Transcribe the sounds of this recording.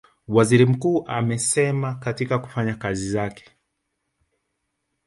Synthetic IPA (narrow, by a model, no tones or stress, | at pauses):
waziɾim̩kuːʔamɛsɛmakatikaku̥faɲakazizakɛ̥